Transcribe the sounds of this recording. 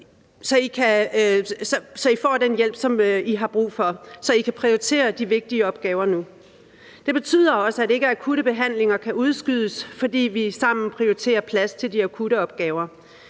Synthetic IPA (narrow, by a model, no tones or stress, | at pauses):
sɒ̽ikʰæ | sɒ̽sɒ̽ifɒ̰ːd̥enjel̰b̥sɒ̽miɦɑ̈b̥ʁṵːfɒ̽sɒ̽ikʰæpʰʁioit͡sʰe̝̰ːɐd̥iʋe̝ɡ̥̚d̥iəɒ̽b̥ɡ̥ɛːʊɐnu | d̥e̝b̥e̝t͡sʰy̰ð̞̰ˠɐɒ̽səæd̥e̝ɡ̥əækʰuɾ̥əb̥e̝ɦæn̰le̝ŋɐkʰæʔuð̞ˠsɡ̥yð̞ˠəsfɒ̽d̥ḭːʋisɑ̈m̰n̩pʰʁioit͡sʰe̝̰ːɐpʰlæst͡sʰe̝ld̥iækʰuɾ̥əɒ̽b̥ɡ̥ɛːʊɐ